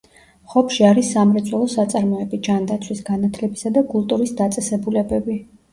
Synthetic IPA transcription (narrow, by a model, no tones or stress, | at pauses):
χɔpʰʃiaɾisːamɾɛt̪sʼwɛlˠɔsat̪sʼaɾmɔɛbid͡ʒand̪at̪sʰwisɡanat̪ʰlɛbisad̪akʼulˠt̪ʼuɾisd̪at̪sʼɛsɛbulɛbɛbi